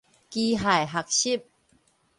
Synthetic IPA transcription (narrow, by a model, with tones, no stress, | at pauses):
kiː˧ɦa˨˩jɦa˨˩k̚ɕi˥˨p̚